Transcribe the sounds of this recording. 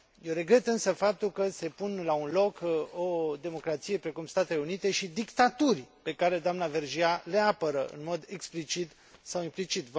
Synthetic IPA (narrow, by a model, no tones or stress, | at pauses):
jewɾe̞ɡɾe̞t̪ɨnsəfap̚t̪ulkəse̞punlaunlo̞ko̞d̪e̞mo̞kɾat̪sije̞pɾe̞kumst̪at̪ele̞unit̪e̞ʃid̪ikt̪at̪urʲpe̞kaɾe̞d̪oamnave̞rʒiale̞apəɾəʔɨ̰nmo̞d̪e̞ksplit͡ʃit̪ | sawimplit͡ʃit̪v